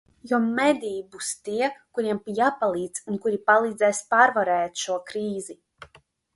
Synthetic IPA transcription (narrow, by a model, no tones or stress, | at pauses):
jɔmɛd̪ʲijibust̪iɛkuɾiɛmpjaːpalˠiːd̪zunkuɾipalˠiːd̪zɛːspaɾvaɾɛːt̪ʃuɔkɾiːzi